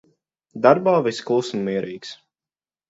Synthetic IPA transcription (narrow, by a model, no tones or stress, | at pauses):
d̪aɾbaːviskulːˠsmːiɛɾiːks